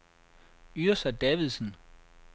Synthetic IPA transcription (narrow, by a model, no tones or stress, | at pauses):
yɐsæd̥ɛːʋiðˠsn̩